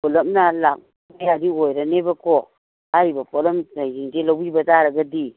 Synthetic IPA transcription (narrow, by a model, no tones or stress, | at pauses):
kolomnalak | apejadiwoiɾanebako | aɾibapolomtajind͡ʒelowibataɾaɡadi